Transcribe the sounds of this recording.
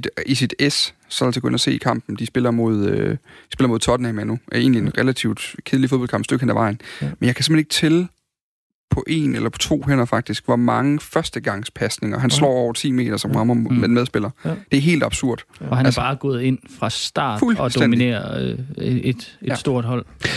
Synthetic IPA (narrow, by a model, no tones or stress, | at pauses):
isid̥essɒ̽ælse̥kʰø̰n̰ɐse̝̰ːikʰɑ̈m̰b̥n̩d̥isb̥e̝lɐmo̝ð̞̰ˠød̥i̥sb̥elɐmo̝ðˠt͡sʰɒ̽d̥næmænue̝̰ːnlienʁɛlæt͡sʰiʊd̥kʰe̝ðˠlifoðbɒlkʰɑ̈mb̥d̥øɡ̥enæʋɑ̈ɪ̰n̩menjɑ̈kæsemheneɡ̥t͡sʰel | pʰɒ̽ʔe̝nelɐpʰɒ̥̽t͡sʰʋo̝̰ːɦen̰ɐfɑ̈ɡ̥̚d̥isɡ̥ʋɑ̈mɑ̈ŋəfɶɐsd̥əɡ̥ɑ̈ŋ̰spʰæsne̝ŋɐɦænslɒ̰ːɒʊ̰ɐt͡sʰḭːme̝̰ːd̥ɐsɒ̽mʁɑ̈mɐmed̥enmeðˠsb̥e̝lɐd̥e̝æɐɦe̝̰ːld̥ɑ̈b̥suɐ̰d̥ɒhææɐsbɐɑ̈ːɡ̥ɔ̽ːð̞̩ˠe̝n̰fʁɑ̈sd̥ɑ̰̈ːd̥fuld̥enmie̝̰ːɐ | ed̥e̥sd̥o̝ɐ̰d̥ɦɒl̰